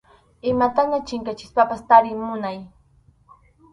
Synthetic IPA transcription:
ɪmat̪anat͡ʃɪŋkat͡ʃɪ̥spapast̪aɾɪŋmʊnaj

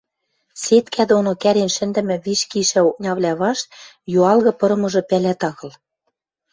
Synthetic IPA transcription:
set̪kʰæd̪onokæɾenʃɘ̆nd̪ɘ̆mɘ̆βiʃkiʃæuk̚nʲɑβlʲæβɑʃ | juɑlɣɤ̆pɤ̆ɾɤ̆mɤ̆ʒɤ̆pælæt̪ɑɣɤ̆l

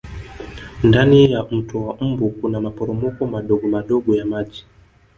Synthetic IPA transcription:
ndanijam̩tuwam̩bukunamapɔɾɔmɔkɔmaɗɔɡɔmaɗɔɡɔjamaʄi

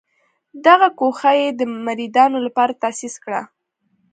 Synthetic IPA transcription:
d̪aɣakoxajed̪əmaɾid̪ɑnolapɑɾat̪asiskɽa̰

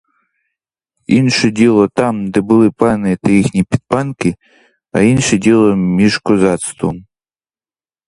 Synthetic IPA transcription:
inʃɛdʲilˠɔt̪ɑmd̪ɛbʊlˠɪpɑnɪt̪ɐjixnʲipʲid̪̥̚pɑnkɪ | ɐ̰inʃɛdʲilˠɔmʲiʒkɔzɑt̪st̪ʋɔm

